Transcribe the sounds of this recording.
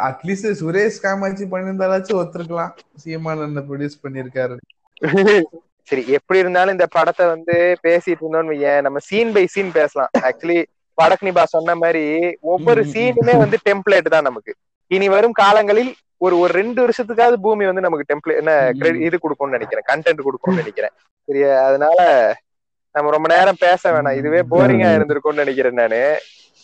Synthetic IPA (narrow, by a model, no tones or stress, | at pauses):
ɐʈliːsesʊɾeːskaːmaːt͡ʃːipɐɳːɪɾɯnd̪aːlaːt͡ʃːɯɔt̪ːɯɾɯk̬ːɐlãː | sɪjɐmaːnɐnːɐp̬ɾɔɽjuːspɐɳːɪɾɯkːaːɾɯ | sɐɾiɛpːɐɽiɪɾɯnd̪aːl̃ɪnd̪ɐpɐɽɐt̪ːɐʋɐnd̪ɯpeːsɪjɪʈːɯɾɯnd̪oːnʋɐjɛ̃ːnɐmːɐsiːnbɐɪsiːnpeːsɐlã̰ːæːk̚t͡ʃʊɐli | pɐɽɐkːɐnɪbaːsɔnːɐmaːd̪ɾiɔʋːɔɾɯsiːnɯmeːʋɐnd̪ɯʈɛmpɭeːʈːɯt̪ãːnɐmɐkːɯ | ɪniʋɐɾɯmkaːlɐŋɡɐɭɪl | ɔɾɯɔɾɯɾɛɳɖɯʋɐɾʂɐt̪̬ːɯkːaːðɯbuːmiʋɐnd̪ɯnɐmɐkːɯʈɛmpleːɛnːɐkɪɾɛɽɪɪðɯkɔɽɯkːõːnnɛnɛkʲːɪɾẽːkɐɳʈɛɳʈkɔɽɯkːoːnnɐnɛkʲːɪɾḛ̃ː | sɛɾɪjaːðɐnaːlɐ | nɐmːɐɾɔmbɐneːɾɐmpeːsɐʋeːɳãːɪðɯʋeːboːɾɪŋɡaːɪɾɯnd̪ɪɯɾɯkːõːnnɐnɛk̬ʲːɪɾɐnːɐnɯ